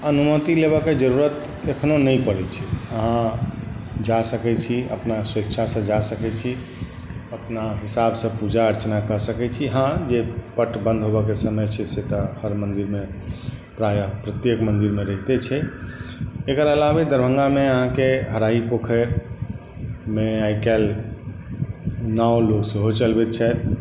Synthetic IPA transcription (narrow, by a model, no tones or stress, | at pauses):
ənumət̪ileβɔked͡ʒəɾuɾət̪ | ekʰnonəipəɽɛt͡ʃʰiəɦã | d͡ʒasəkɛt͡ʃʰiə̰pnasɾekʃʰasə̃d͡ʒasəkɛt͡ʃʰi | əpnaɦisabsə̃pud͡ʒaəɾt͡ʃənakəɦsəkɛt͡ʃʰiɦãd͡ʒepəʈbə̃nd̪ʱɦobəkesəməjt͡ʃʰɛset̪əhəɾmənd̪iɾmepɾajəpɾət̪jekmənd̪iɾmeɾəɦit̪et͡ʃʰɛ | ekəɾəlabed̪əɾbʱə̃ŋɡameəɦãkeɦəɾaipokʰəɾ | meaikɛl | nawloksəɦot͡ʃəlbɛt̪̚t͡ʃʰɛt̪